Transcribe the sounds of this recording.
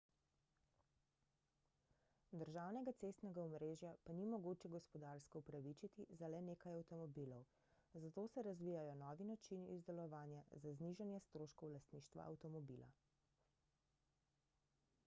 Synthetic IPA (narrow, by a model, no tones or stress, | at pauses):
d̪əɾʒaːwnɛɡat̪sest̪nɛɡaɔmɾeːʒjapanimɔɡoːt͡ʃɛɡɔspɔd̪aɾskɔupɾaʋit͡ʃit̪izalɛneːkajawt̪ɔmɔbilɔw | zat̪osɛɾazʋiːjajɔnɔːʋinat͡ʃinḭzd̪ɛlɔʋaːnjazazniʒanjɛst̪ɾoːʃkɔwlast̪niːʃt̪ʋa̰ʔa̰wt̪ɔmɔbila̰